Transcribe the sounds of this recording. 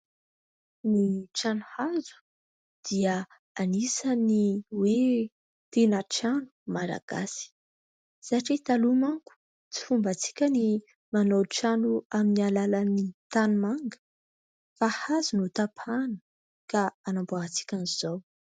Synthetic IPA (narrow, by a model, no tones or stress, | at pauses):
niʈ͡ʂanuhazu̥ | d̪̥iə | anisaniwe | t̪enaʈ͡ʂanu̥mala̰ɡ̥asi̥ | z̥aʈ͡ʂit̪alumaŋku̥ | t͡si̥fumbat͡si̥kʲəni | manowʈ͡ʂanuaminialalanit̪anumaŋɡə̥ | fahazunut̪apʰanə̥ | kaanamboat͡si̥kʲaniz̥ow